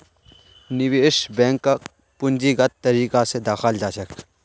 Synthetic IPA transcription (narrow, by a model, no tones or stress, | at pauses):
nɪʋeːʃbɛ̃ːŋkːa | pʊnd͡ʒiɡɐt̪̚t̪ɐɾiːkased̪aːxəld͡ʒaːʃɐk